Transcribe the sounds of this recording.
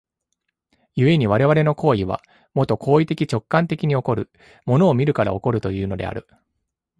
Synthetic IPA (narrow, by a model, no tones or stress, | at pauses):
jɯ̟e̞ɲ̟iβ̞aɾe̞βaɾe̞no̞ko̞ːiβ̞a̰ | mot̪o̞kʰo̞ːit̪e̞kʲit͡ɕo̞kːãnt̪e̞kʲiɲ̟io̞ko̞ɾɯ̟ | mo̞no̞ːmʲiɾɯ̟kaɾa̰o̞ko̞ɾɯ̟t̪o̞jɯ̟ːno̞d̪e̞̰a̰ɾɯ̟